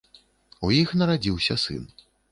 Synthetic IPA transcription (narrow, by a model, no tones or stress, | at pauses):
ujixnɐɾad͡zʲiwsʲɐ̰sɨ̰n